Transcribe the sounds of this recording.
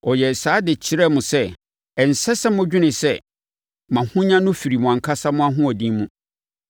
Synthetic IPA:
ɔ˨jɛ˨saː˨˦dɪ˨t͡ɕʰɪ˦ɾɛ˦mʊ̃˨sɛ˦ | ɛ˨n̩˨sɛ˦sɛ˦mʊ̃˦d͡ʑᶣu˦nɪ̃˨sɛ˦ | mã˨hʊ̃˦ɲã˦nʊ̃˦fi˨ɾi˨mʊ̃˨ã˨ŋ˨kʰa˦sa˦mʊ̃˦a˦ɦʊ̃˦ɔ˨dĩ˦mũ˦

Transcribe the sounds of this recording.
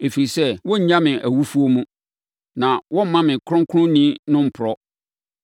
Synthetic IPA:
e˨fi˨i˨sɛ˦wɔ̃˦ɲ̩˦ɲã˦mɪ̃˨ʔæ˨wu˦fu˦o˦mũ˦ | nã˨wɔ̃˦m̩˦mã˦mɪ̃˨kʰʊ˦ɾʊ̃˦ŋ˦kʰʊ˦ɾʊ̃˦nĩ˦nʊ̃˦m̩˨pʰʊ˨ɾɔ˦

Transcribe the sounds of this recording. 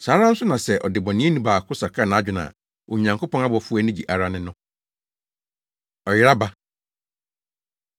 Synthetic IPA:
saː˨˦ɾã˦n̩˦sʊ˦nã˨sɛ˦ʔɔ̰˨dɪ˨bɔ̃˨nĩ˦e˦nĩ˦baː˨kʰʊ˦sa˨kʰa˦˨nã˨a˦d͡ʑᶣɪ˨nã̰˨ | o˨ɲã˨ŋkʰo˦pɔ̃˦na˦bɔ˨fu˦æ˦nɪ̃˦d͡ʑi˨ʔa˨ɾa˦˨nɪ̃˦nʊ̃˦ | ɔ˨jɪ˦ɾa˦ba˦

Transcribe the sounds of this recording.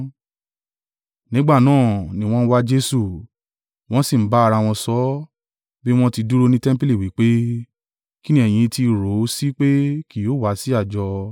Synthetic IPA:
nĩ˨˦ɡ͡ba˦˨nãː˦˨nĩ˨˧w̃ɔ̃˦n̩˦wa˦d͡ʒe˦su˦˨ | w̃ɔ̃˦si˦˨m̩˨˦ba˦˧ɾa˧w̃ɔ̃˧sɔ˦ | bi˦w̃ɔ̃˦ti˧du˦ɾo˧nĩ˦tɛ̃˦m̩˦pe˦li˦˨wi˨˦k͡pe˦ | ki˦nĩ˦ɛ˨j̃ĩ˧ti˧˨ɾo˨˦si˦k͡pe˦ki˨jo˨˦˨wa˨˦si˦a˦˨d͡ʒɔ˧

